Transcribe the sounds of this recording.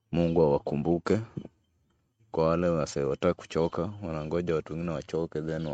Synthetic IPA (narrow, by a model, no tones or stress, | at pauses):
muŋɡuawakumbukɛ | kwawalɛasawataːku̥t͡ʃɔkawanaŋɡɔʄawatuwɛŋɡinɛwat͡ʃɔkɛðɛna